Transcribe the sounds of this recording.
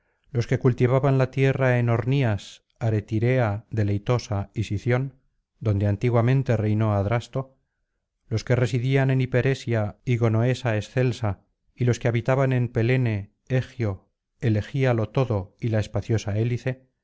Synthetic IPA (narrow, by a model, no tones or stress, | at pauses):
lo̞ske̞kult̪iβaβanlat̪je̞rae̞no̞ɾnias | aɾe̞t̪iɾe̞aðe̞lejt̪o̞saisiθjo̞n | d̪o̞nd̪eant̪iɣwamẽ̞nt̪e̞rejno̞aðɾast̪o̞ | lo̞ske̞re̞siðiane̞nipe̞ɾe̞sjaiɣo̞no̞e̞sae̞sθe̞lsa | ilo̞ske̞aβit̪aβane̞mpe̞le̞ne̞ | exjo̞ | ele̞xialo̞t̪o̞ðo̞ilae̞spaθjo̞sae̞liθe̞